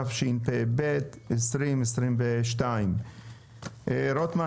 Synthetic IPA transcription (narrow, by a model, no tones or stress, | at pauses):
afʃinpebet̪ | esɾimesɾimveʃtaim | ɾot̪ma